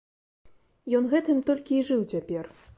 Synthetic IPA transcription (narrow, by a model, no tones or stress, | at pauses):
jɔnɣɛt̪ɨmt̪ɔlʲkʲiːʐɨwt͡sʲapʲɛr